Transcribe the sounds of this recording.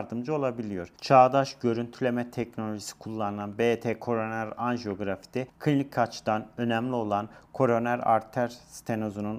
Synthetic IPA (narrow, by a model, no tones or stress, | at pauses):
ɾd̪ɯmd͡ʒao̞lˠabilʲijo̞ɾ̥t͡ʃʰaːd̪aʃɟø̞ɾynt̪ʰylʲemɛt̪ʰɛcno̞lʲo̞ʒisi̥kʰulˠːanɯlˠanbet̪ʰekʰo̞ɾonæɾanʒo̞ɡɾafi̥d̪ɛkʰɯnlʲicʰːat͡ʃʰd̪anø̞nɛmlʲio̞lˠankʰo̞ɾo̞næɾa̰ɾt̪ʰæɾst̪ʰenozunun